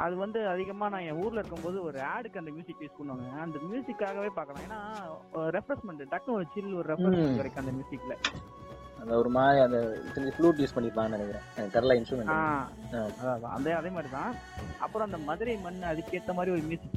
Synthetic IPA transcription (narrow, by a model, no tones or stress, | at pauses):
ʔɐðɯʋɐnd̪ɯɐðɪɣɐmaːnãːẽuːɾlɐɪɾɯkːɯmpoːðɯɔɾɯaːɽɯkːɯɐnd̪ɐmjuːsɪkːʋeːskɔɳːɯʋaːŋɡɐɐnd̪ɐmjuːsɪkːaːɣɐʋeːpaːɾkɐlãːeːnːaːɔɾɯɾɛfɾɐsmɛɳʈʈɛk̚noːld͡ʒɪlɔɾɯɾɛfɾɐsmɳkɐɽɛkːɯɐnd̪ɐmjuːsɪkːɪlɐ | ɐnd̪ɐɔɾɯmaːðiɐnd̪ɐt̪ːɪnɡifluːʈjuːspɐɳːɪpːaːŋɡɐnɐnɛkːɪɾõ̰ːɐnɐʈɐɾlaɪnsʈɾɯmɛɳaːaːɐðaːðã̰ːɐ̰nd̪ɐɐðeːmaːd̪ɾit̪ãː | ʔɐ̰pːɯɾõɐnd̪ɐmɐðɪɾɐɪmɐnːɯɐðɯkːeːʈt̪ːɐmaːd̪ɾiɔɾɯmjuːsɪkː